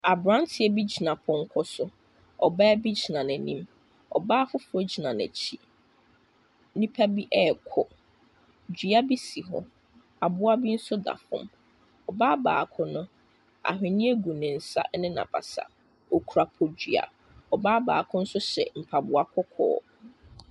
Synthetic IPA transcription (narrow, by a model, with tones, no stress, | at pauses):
a˨bɾã˦n˦tʰɪ˦ɛ˨bi˦d͡ʑi˨nã˨pʰɔ̃˨ŋ̩˦kʰɔ˦sʊ˦ | ɔ˨ba˦bi˦d͡ʑi˨nã˨næ̃˨nĩ˦m | ɔ̰˨baː˦fʊ˦fʊ˦ɔ˦d͡ʑi˨nã˨næ̰˨t͡ɕʰi˦ | nĩ˦pʰæ˦bi˦ʔɛ˦˨kʰɔ˦ | d͡ʑi˨a˦bi˦si˨ɦɔ̰˨ | a˨bʊ˦a˦bi˦n̩˦sʊ˦da̰˨fʊ̰̃˦m | ɔ˨baː˦ba̰ː˨kʰʊ˦nʊ̃˦ | a̰˨ɦɪ̃˨nĩ˦e˦ɡu˨nɪ̃˨n̩˨sa̰˦ʔnɪ̃˦nã̰˨bʰa̰˨sa̰˨ | ɔ˨kʰu˨ɾa˨pʰɔ˨d͡ʑᶣɥa̰˨ | ɔ˨baː˦ba̰ː˨kʰʊ̃˦n̩˦sʊ˦ɕɛ̰˨m̩˨pʰa˨bʊ˨a˨kʰɔ˦kʰɔ̰ː˨˦